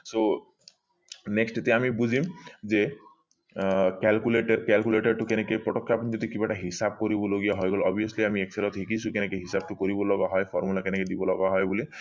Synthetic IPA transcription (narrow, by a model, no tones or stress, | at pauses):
so | neksʈet̪iamibud͡ʑʱimze | kɛlkuleʈeɾkɛlkuleʈaɾʈukenekepɾɔʈɔkʰːapnid͡ʒɔd̪ikibaʈaɦisab̚koɾibɔloɡijaɦɔjɡɔlɔbʱijɔsliamieksʰelɔt̪ɦikisukenekeɦisab̚ʈukoɾibɔlɔɡaɦɔjpʰɔɾmulakeneked̪ibɔlɔɡaɦɔjbuli